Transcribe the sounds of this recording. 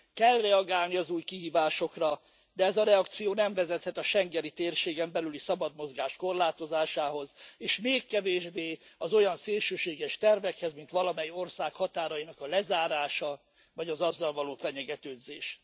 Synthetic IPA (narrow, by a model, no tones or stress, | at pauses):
kɛlrɛɒɡaːlniɒzuːjkiɦiːvaːʃo̞krɒ | d̪ɛɛzɒɾɛɒkt̪sijoːnɛɱvɛzɛt̪hɛt̪ɒʃɛŋɡɛnit̪eːrʃeːɡɛmbɛlylisɒbɒd̪mo̞zɡaːʃko̞rlaːt̪o̞zaːʃaːɦo̞zeːʃmeːkːɛveːʒbeːɒzo̞jɒnseːlʃøːʃeːɡɛʃt̪ɛrvɛkhɛzmint̪ʋɒlɒmɛjio̞rsaːkhɒt̪aːɾɒjinɒkɒlɛzaːɾaːʃɒ | vɒɟɒzɒzːɒlvɒloːfɛɲɛɡɛt̪øːd̪zeːʃ